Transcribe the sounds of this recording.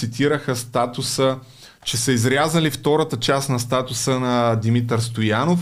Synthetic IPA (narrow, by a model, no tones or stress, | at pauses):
it̪ʰiɾəxəst̪at̪ʊsə | t͡ʃɛsəizɾʲazəlift̪ɔɾət̪ət͡ʃasnɐst̪at̪ʊsənɐd̪imit̪əɾst̪ojanof